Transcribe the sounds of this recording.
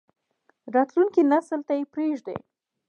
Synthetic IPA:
ɾɑt̪lunkinasəlt̪ajepɾeʒd̪ḛ

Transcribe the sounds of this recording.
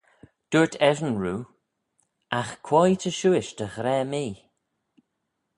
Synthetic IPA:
d̥uɹtʰɛvənɹuː | axkʰwɔjtʰəʃuːɪʃd̪əɣɾɛːmiː

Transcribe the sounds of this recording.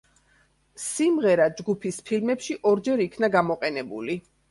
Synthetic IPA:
simʁɛɾad͡ʒɡupʰispʰilmɛpʃiʔɔɾd͡ʒɛɾikʰnaɡamɔqʼɛnɛbṵli

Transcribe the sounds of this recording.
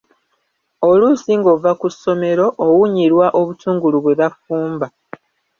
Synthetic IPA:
o̞lusiŋɡovakusːo̞me̞ɾo̞ʔːwuɲiɾwaʔo̞βutʰuːŋɡuluβwe̞βafuːmba

